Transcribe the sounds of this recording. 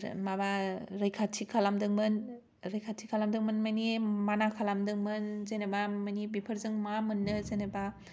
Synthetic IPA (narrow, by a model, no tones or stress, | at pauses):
mabaɾɯjkʰatʰikʰalamdɯŋmɯn | ɾɯjkʰatʰikʰalamdɯŋmɯnmanimanakʰalamdɯŋmɯnzenabamanibipʰɯɾzɯŋmamɯnːɯzeneba